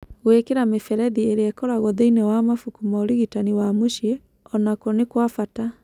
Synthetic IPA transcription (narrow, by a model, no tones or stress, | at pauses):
ɣwekeɾamefɛɾɛðieɾeɛkɔɾaɣɔðeinɛwamafukumɔoɾiɣitaniwamoʃje | ɔnakɔnekwafata